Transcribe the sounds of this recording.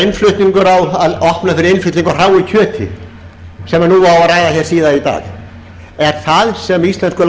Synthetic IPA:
ɪnflʏht̪niŋkʏɾawaðɔhpnafɪɾɪɾɪnflʏt̪iŋkʏr̥aːwicʰœːt̪ʰɪ̰ | sɛmanuawaɾaːjðaθjɛɾ̥siːðait̪a̰ːɣ | ɛɾ̥θaðsɛmist̪lɛnskʏl

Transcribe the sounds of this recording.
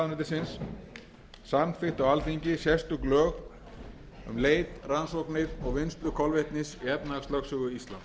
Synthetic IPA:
nɪt̪ɪsɪns | samfɪht̪awalθiɲcɪsjɛst̪ʏklœːɣ | ʏ̰mleːjt̪ransoknɪðɔɣvɪnst̪lʏkʰɔlveht̪nɪsiɛpnaafst̪œksʏːɣʏist̪la̰n

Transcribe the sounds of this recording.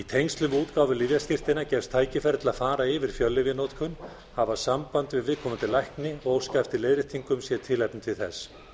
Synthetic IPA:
it̪ʰejnst̪lʏmuːt̪kaːwvʏlivjasc̪ɪr̥t̪ɪnacɛfst̪ʰːaːjcɪfɛɾt̪laðfaːɾaɪvɪɾ̥fjœlːɪvjɪnowt̪kʰʏn | havḁsampant̪vɪðvɪðkʰɔmʏnt̪ʰɪlajhknɪɣowskajft̪ɪleːjðɾɪt̪ʰiŋkʏmsjɛt̪ʰɪlajpnt̪ʰɪlθɛs

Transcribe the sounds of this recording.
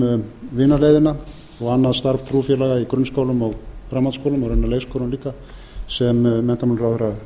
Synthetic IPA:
vɪːnaleːjðɪna | ɔɣanːaðst̪aɾv̥t̪ʰɾufjɛlaɣaikɾʏnskoːwlʏmɔɣfɾamawt̪skowlʏmɔɣɾɛnːaleːjskowlʏnliːkːa | sɛmːɛn̥t̪amanɾawθɾa

